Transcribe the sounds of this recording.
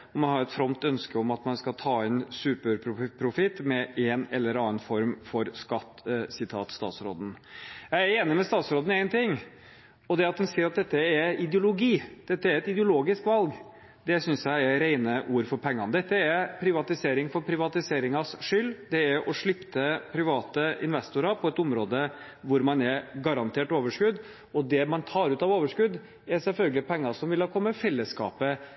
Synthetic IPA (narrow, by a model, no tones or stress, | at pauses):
ɔmɑnhɑɾɛt̪fɾɔmt̪œnskəɔmɑt̪mɑnskɑlt̪ʰɑːɛnsʉːpəɾpʰɾʊpʰɾʊfɪt̪ːmɛʔɛnɛ̰lːəɾɑnːɑnfɔɾmfɔɾskɑt̪ːsɪt̪ʰɑ̰ːt̪st̪ɑ̰ːt̪sɾo̰ːd̪n̩jæɪæɾeːnɪmɛst̪ɑːt̪sɾoːd̪ən̩æɪnt̪ʰɪŋː | ɔd̪ɛɑt̪̚d̪ɛnsiːɾɑt̪̚d̪ɛt̪ːəɛɪd̪jʊlʊɡiːd̪̥ɛt̪ːəæɾɛt̪ɪd̪əʊloːɡɪskʋɑlɡ | d̪ɛsʏnsjæɪɛɾɾeɪnəʔuːɾfɔɾpʰɛŋːɑnd̪ɛt̪ːəɛɾpʰɾɪʋɑt̪ɪseːɾɪŋfɔɾpʰɾɪʋɑt̪ɪseːɾɪŋɑsʂʏlːd̪ɛɛɾʔɔʂɭɪpt̪ʰəpʰɾɪʋɑːt̪əɪ̰nʋɛst̪ʊɾɑpʰɔɛt̪ʊmɾoːd̪ə | ʋʊɾmɑnɛɾɡɑɾɑnt̪ʰeːʈoːʋəʂkʉd̪ | ɔd̪ɛmɑnt̪ʰɑːɾʉːt̪ɑʋoːʋəʂkʉd̪ | ɛɾsɛlfœlɡəlɪpʰɛŋːɑsɔmʋɪlhɑːkʰɔmːəfɛlːəskɑ̰ːpə